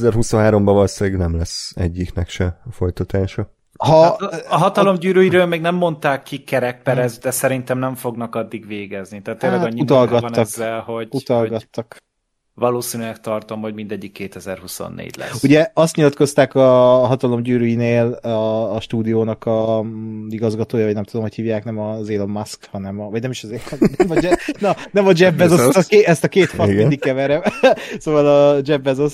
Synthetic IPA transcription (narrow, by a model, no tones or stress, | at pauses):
zɛrɦusoɦaːɾo̞mbɒvɒlseːɡnɛmlɛsɛɟːiknɛkʃɛfo̞jt̪ɒt̪aːʃɒ | ɦɒːɦɒt̪ɒlo̞mɟyːɾyjiɾøːlmeːɡnɛmːo̞nt̪aːkːikːɛɾɛk̚pɛɾɛzd̪ɛsɛɾint̪ɛmnɛɱfo̞ɡnɒkɒd̪ːiɡveːɡɛznit̪ɛːt̪ːeːɾlːɛɡɒɲːiut̪ɒlɡɒt̪nːɒzːɛlho̞ɟut̪ɒlɡɒt̪ːɒk | vɒloːsiːnylɛk̚t̪ɒrt̪o̞mho̞ɟmind̪ɛɟːikːeːt̪ɛzɛrhuso̰nːḛːɟlɛ̰uɟɛɒst̪ɲilɒt̪ko̞st̪aːkɒɦɒt̪ɒlo̞mɟyːɾyjineːlɒːʃt̪uːd̪ijoːnɒkɒziɡɒzɡɒt̪oːjɒvɒɟnɛmt̪ud̪o̞mho̞chiːvjaːknɛmɒzeːlomːaskhɒnɛmɒvɒɟnɛmiʃɒzeːlomsnɛmɒd͡ʒɛnɒnɛmɒd͡ʒɛbːɛzɛkeɛst̪ɒkeːt̪fɒɡnd̪ikkːɛvɛɾɛmsoːvɒlɒd͡ʒɛbːɛzos